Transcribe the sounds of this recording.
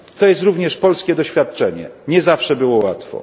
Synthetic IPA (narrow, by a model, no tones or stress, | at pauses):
t̪ɔjɛst̪ɾuvɲɛʂpɔlskʲɛd̪ɔɕfʲjat̪̚t͡ʂɛɲɛ̰ɲɛzafʂɛbɘwɔwat̪fɔ̰